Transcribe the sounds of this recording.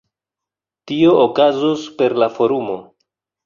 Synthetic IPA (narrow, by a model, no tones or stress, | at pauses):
tio̞ʔokazospe̞ɾlafo̞ɾumo̞